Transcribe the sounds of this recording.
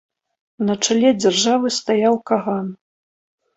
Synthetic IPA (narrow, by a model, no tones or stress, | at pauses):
nɐt͡ʂalʲɛd͡zʲarʐavɨst̪ajawkaɣan